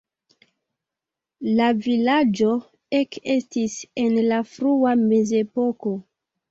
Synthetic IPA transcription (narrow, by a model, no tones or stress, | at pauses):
lavilad͡ʒo̞ | eke̞stise̞nlafɾuame̞ze̞po̞ko̞